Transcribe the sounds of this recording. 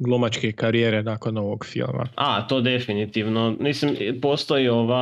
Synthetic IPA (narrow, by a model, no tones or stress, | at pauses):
ɡlˠomat͡ʃkekaɾijeɾenaːkonoʋoɡfḭlˠma̰at̪o̞ːd̪e̞finit̪iʋnomislimpoːst̪o̞io̞ʋa